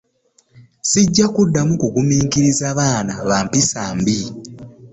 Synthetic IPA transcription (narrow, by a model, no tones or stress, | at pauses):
siɟːakudːamukuɡumiːŋkiɾizaβaːnaβaːmpisaːmbi